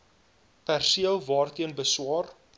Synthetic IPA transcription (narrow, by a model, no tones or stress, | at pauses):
pærsiəlˠvɑːrt̪iənbəswɑːr